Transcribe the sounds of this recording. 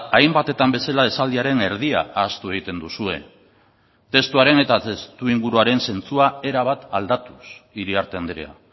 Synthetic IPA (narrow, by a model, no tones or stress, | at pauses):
ajmbat̪e̞t̪ambe̞salae̞sald̪iaɾe̞ne̞ɾðia̰aːst̪ue̞ɣ̞it̪e̞nd̪usue̞ | t̪e̞st̪uaɾe̞ne̞t̪at̪est̪uiŋɡuɾuaɾe̞nse̞nt͡suae̞ɾaβ̞at̪ald̪at̪usiɾiaɾt̪e̞and̪ɾḛa̰